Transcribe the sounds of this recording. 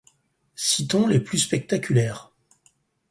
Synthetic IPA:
sit̪ɔ̃leplyspɛk̚t̪akʲylɛːʁ

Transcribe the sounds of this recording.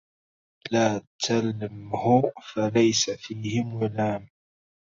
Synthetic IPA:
laːt̪ʰalmhʊfalajsafiːhɪmwalaːm

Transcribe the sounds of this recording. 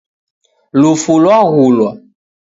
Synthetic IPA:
lufulɔaɣulɔ

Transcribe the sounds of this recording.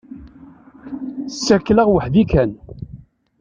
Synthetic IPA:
sːækːləʁwəħðikæn

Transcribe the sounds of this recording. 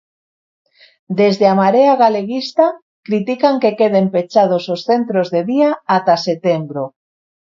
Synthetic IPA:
d̪ezðeamaɾeaɣaleɣist̪a | kɾit̪ikaŋkekeð̞empet͡ʃað̞ososθent̪ɾozðeðiaːt̪aset̪embɾo

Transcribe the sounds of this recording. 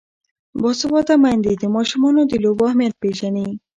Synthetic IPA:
bɔsobɔt̪amajnd̪it̪emɔʃomɔnod̪ilobɔɦmeɾpeʃani

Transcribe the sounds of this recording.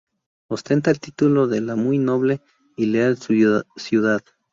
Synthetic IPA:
ost̪e̞nt̪aelt̪it̪uloðelamujno̞βle | ileassjuðað

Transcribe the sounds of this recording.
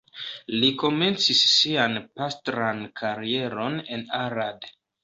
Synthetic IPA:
liko̞me̞nt͡sisːianpastɾankʰaɾie̞ɾo̞ne̞naɾad

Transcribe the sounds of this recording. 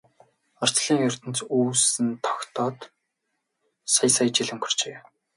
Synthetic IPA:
ɔr̥t͡sɮiːŋjʊr̥ʲt̪ɘ̆nt͡suːsɘ̆nt̪ʰɔ̥kt̪ʰɔːt̪ | sajsajt͡ɕiɮɘ̆mxɵ̥r̥t͡ɕeː

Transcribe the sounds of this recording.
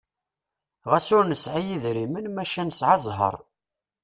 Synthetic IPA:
ʁæsʊɾnəsʕijiðɾimənmæʃænəsʕazˤɦə̰ɾˤ

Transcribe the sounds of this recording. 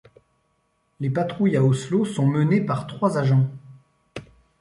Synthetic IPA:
lepat̪χujaɔslosɔ̃mənepaʁt̪χwazaʒɑ̃

